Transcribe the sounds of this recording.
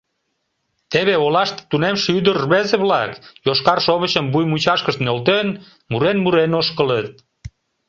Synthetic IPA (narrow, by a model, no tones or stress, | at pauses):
t̪eβeolɑʃt̪t̪ːunemʃyd̪ərːβezeβlɑkjoʃkɑrʃoβət͡ɕəmbujmut͡ɕɑʃkəʃt̪nolt̪en | muɾenmuɾenoʃkələt̪̚